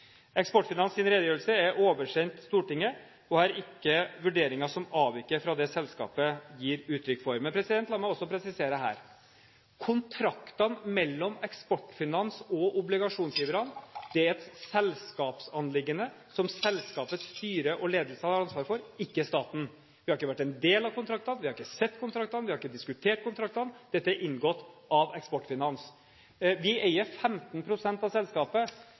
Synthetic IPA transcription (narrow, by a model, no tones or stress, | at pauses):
ɛkspɔʈfɪnɑnsɪnɾeːd̪əjøːɾəlsəæɾʔoːʋəʂɛnt̪st̪uːʈɪŋːə | ɔhɑɾɪkːəʋʉɖeːɾɪŋɑʂɔmɑːʋɪkːəɾfɾɑd̪ɛsɛlskɑ̰ːpəjiːɾʉːt̪ʰɾʏkːfɔɾmɛnpʰɾɛsɪd̪ɛnt̪lɑmɑɔsːɔpʰɾɛsɪseːɾəɦæ̰ːɾ | kʰʊnt̪ʰɾɑkt̪ɑnmɛlːɔmɛkspɔʈːfɪnɑnsɔʔʊblɪɡɑʂuːnslɪːʋəɾɑnd̪̥ɛæɾɛt̪sɛlskɑːpsɑnlɪɡːənə | sɔmsɛlskɑːpət̪st̪yːɾəʔɔleːd̪əlsəhɑɑɾɑnsʋɑːɾfɔɾɪkːəst̪ɑːt̪n̩ | ʋɪhɑɾɪkːəʋæʈːɛnd̪eːlɑʋkʊnt̪ʰɾɑk̚t̪ɑnʋɪhɑɾɪkːəsɛt̪ːkʰʊnt̪ʰɾɑk̚t̪ɑnʋɪhɑɾɪkːəd̪ɪskʉt̪ʰeːʈ̚kʊnt̪ʰɾɑk̚t̪ɑnd̪̥ɛt̪ːəæɾʔɪnːɡɔt̪ːɑʋɛkspɔʈːfɪnɑns | ʋɪʔeɪəɾfɛmt̪npʰɾʊsɛnt̪ɑʋsɛlskɑːpə